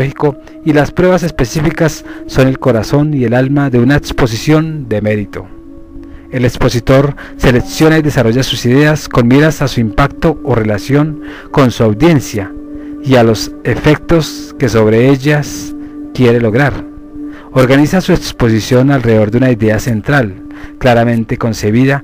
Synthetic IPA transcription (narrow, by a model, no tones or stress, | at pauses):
hiko̞ | ilaspɾwe̞βase̞spe̞sifikasːo̞ne̞lko̞ɾaso̞nie̞lalmaðe̞unaekspo̞sisjo̞nd̪e̞me̞ɾit̪o̞̰ | e̞lekspo̞sit̪o̞ɾ | se̞le̞ksjo̞naiðe̞saro̞ʝasusiðe̞asko̞nmjiɾasasuimpakt̪o̞ːre̞lasjo̞ŋ | ko̞nsuawd̪je̞nsja | ialo̞se̞fe̞k̚t̪o̞ske̞so̞βɾe̞eʝaskje̞ɾe̞lo̞ɣɾaɾ | o̞ɾɣanisasue̞kspo̞s̬isjo̞nalre̞o̞ɾd̪eunaiðe̞ase̞nt̪ɾal | klaɾamẽ̞nt̪e̞ko̞nse̞βiða